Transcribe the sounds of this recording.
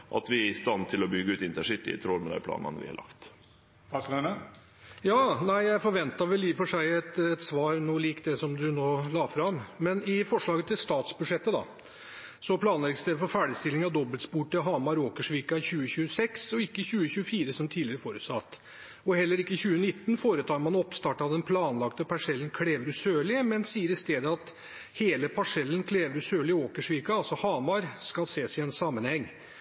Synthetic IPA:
ʔɑ̰t̪ʋɪæɾɪst̪ɑnt̪ʰɪlɔbʏɡəʉːt̪ɪnt̪əʂɪt̪ːɪ̰t̪ʰɾɔlmɛd̪æ̰ɪpʰlɑ̰ːnɑ̰nʋɪ̰hɑ̰ɾlʔɑ̰kt̪ | ɑsnə | jɑːnæɪjæɪfɔɾʋɛnt̪ɑʋɛlːiːfɔʂæɪɛt̪ɛt̪sʋɑːɾnuːliːkd̪ɛsɔmd̪ʉnoːlɑːfɾɑmmɛnɪfɔʂɭɑːɡət̪ʰɪlst̪ɑːt̪sbʉd̪ʂɛt̪ːəd̪ɑ̰ | sɔpʰlɑːnlɛɡst̪ɛfɔɾfæːɖɪst̪ɪlːɪŋɑʋd̪ɔbːəlt̪spuːʈəɦɑːmɑɾoːkəʂʋiːkɑɪçʉːəçʉːəsɛksɔɪkːəɕʉːəɕʉːəfiːɾəsɔmt̪ʰiːd̪lɪəɾəfoːɾʉ̰t̪sɑt̪ː | ɔhɛlːəɾɪkːəəçʉːənɪt̪ːnfoːɾət̪ʰɑːɾmɑnɔpst̪ɑːʈɑd̪ɛnpʰlɑːnlɑk̚t̪əpʰɑʂɛlːənkʰɽeːʋəɾʉsøːɭɪəmɛnsiːəɾɪst̪eːd̪əɑt̪ | heːləpʰɑʂɛlːənkʰleːʋəɾʉsøːɭɪoːkəʂʋiːkɑɑlsɔhɑːmɑɾskɑlseːsɪɛnsɑmːənhɛŋː

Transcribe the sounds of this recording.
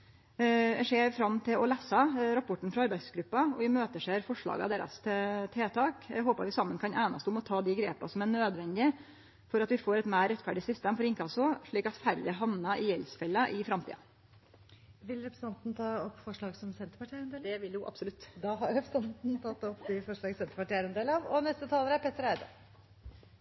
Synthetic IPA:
ɛʂeːɾfɾɑmːt̪ʰɪlɔlæːsɑɾɑpʰɔʈːɳ̩fɾɑɑɾbæɪsɡɾʉpːɑɔ̰ʋɪmøːt̪əʂeːɾfɔʂɭɑ̰ːɡɑ̰d̪eːɾɑ̰st̪ʰɛt̪ʰeːt̪ʰɑːkɦoːpɑ̰ɾʋɪsɑmːənkʰɑnæːnɑst̪əʊmɔt̪ʰɑːd̪ɪɡɾḛːpɑ̰sɔmæɳøːd̪ʋɛnd̪ɪ | fɔɾɑt̪ʋɪfoːɾɛt̪mæɪɾɛt̪fæɖɪsʏst̪eːmfɔɾɪŋkʰɑsɔʂɭiːkɑt̪fæɾd̪ɪɦɑnnɑʔɪjɛlsfɛlːəʔɪfɾɑmt̪ʰḭːɑ̰ | ʋɪlɾɛpɾəsɑnt̪n̩t̪ʰɑːɔpːfɔʂɭɑːɡsɔmsɛnt̪ə̥ɾpɑʈʰind̪eːd̪ɛʋɪljʊʔɑ̰bsʊlʉt̪ːd̪ɑːɦɑɾɾɛpɾsɑnt̪n̩t̪ʰɑt̪ːɔpːd̪ɪfɔʂɭɑːɡsɛnt̪əɾpɑʈiːəɾɛnd̪eːləɑʋɔnɛst̪ət̪ʰɑːləɾæɾpʰɛt̪ːəɾæɪd̪ə

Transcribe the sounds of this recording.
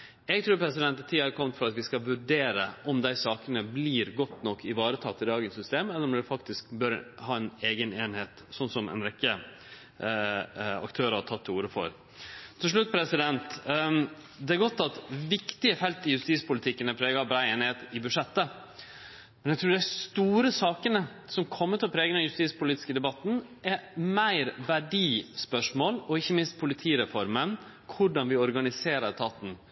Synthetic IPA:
ɛɡ̚t̪ʰɾʉːɾpʰɾɛsɪd̪ɛnt̪ːæt̪ʰiːɑɾkʰɔmt̪fɔɾɑt̪ʋɪskɑʋʉɖeːɾəʔɔmd̪æɪsɑːkənəbliːɾɡɔt̪nɔkʰːɪʋɑːɾət̪ʰɑt̪ːɪd̪ɑːɡənsʏst̪eːmɛlːəɾɔmd̪ɛfɑkt̪ɪsk̚bœɾhɑːɛneːɡəneːnheːt̪sɔnsɔmɛ̰nɾɛkːə | ɑ̰kt̪ʰøːɾəhɑʈʰɑt̪ʰːɪuːɾəfɔ̰ɾ | t̪ʰɪlʂ̬ɭʉt̪̚ːpʰɾɛsɪd̪ɛnt̪ | d̪ɛæɾɡɔt̪ːɑt̪ʋɪkt̪ɪəfɛlt̪ɪjʉst̪iːspʊlɪt̪ʰɪkːənəpʰɾeːɡɑbɾæɪeːnɪheːt̪ɪbʉʂɛt̪ːə | mɛnæɛɡt̪ʰɾʉːɖæɪst̪uːɾəsɑːkənə | sɔmkʰɔmːət̪ɔpʰɾeːɡənɛjʉst̪iːspʰʊliːt̪ɪ̥skəd̪ɛbɑt̪ːn̩ʔɛmæɪɾʋæɖiːspœʂmoːlɔɪçːəmɪnst̪̚pʰʊlɪt̪ʰiːɾɛfɔɾmən | kʰʊɖɑnʋɪɔɾɡɑnɪseːɾəɾt̪ʰɑːt̪n̩

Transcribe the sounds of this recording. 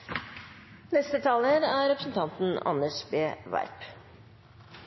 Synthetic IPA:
nɛst̪ət̪ʰɑːləɾæːɾɛpɾəsn̩t̪ʰɑnt̪n̩ɑ̰nəʂbeːʋɑ̰ɪp

